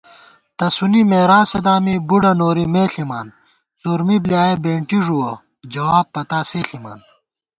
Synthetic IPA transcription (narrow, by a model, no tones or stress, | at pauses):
t̪ɐsunimeːɾaːsed̪aːmibuɖɐnoːɾimeːɬimaːn | suɾmibljaːebeːɳʈiʐuwɐ | d͡ʑɐwaːb̚pɐt̪aːseːɬima̰ːn